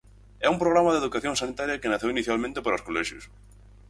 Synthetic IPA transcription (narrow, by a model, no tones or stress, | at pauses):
ɛumpɾoɣɾamɐðeðukaθjõŋsanit̪aɾjɐkenɐθewiniθjalmẽnt̪epaɾaoskolɛʃjʊs